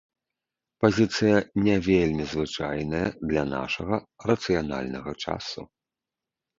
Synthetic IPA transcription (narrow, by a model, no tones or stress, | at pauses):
pazʲit̪sɨjɐnʲɛvʲelʲmʲizvɨt͡ʂajnɐjɐd̪lʲɐna̰ʂɐɣɐ | rɐt̪sɨjana̰lʲnɐɣɐt͡ʂa̰sṵ